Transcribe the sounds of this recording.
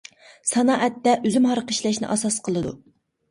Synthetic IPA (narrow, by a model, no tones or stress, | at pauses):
sɑnɑʔɛt̪ːɛʔøzymhɑɾqəʃlɛʃnɪ̰ʔɑsɑsqʰəlˠɨd̪ṵ